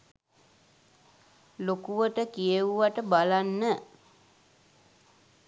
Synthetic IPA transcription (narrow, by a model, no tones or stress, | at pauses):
lokuʋəʈəkijəʋuʋaʈəbalanːə